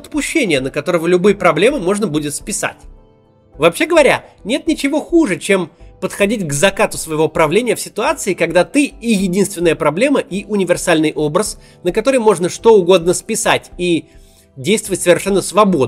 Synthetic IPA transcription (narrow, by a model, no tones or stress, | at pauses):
ət̪pʊɕːenʲɪjənəkɐt̪o̞ɾəvəlʲʊbɨjpɾɐblʲe̞mɨmo̞ʐnəbudʲɪt̪spʲɪsa̰tʲ | vɐːpɕeɡəvɐɾʲanʲe̞t̪nʲɪt͡ɕɪvo̞xuʐɨt͡ɕe̞mpət̪xɐdʲitʲɡzɐkat̪ʊsvəjɪvopɾɐvlʲenʲɪjəfsʲɪt̪ʊat̪sɨɪkɐɡd̪at̪ɨijɪdʲinst̪vʲɪnːəjəpɾɐblʲe̞məʔiʔʊnʲɪvʲɪrsalʲnɨjʔo̞bɾəs | nəkɐt̪o̞ɾɨjmo̞ʐnəʂt̪o̞ʊɡo̞d̪nəspʲɪsatʲi | dʲejst̪vəvətʲsəvʲɪrʂɛnːəsvɐbod̪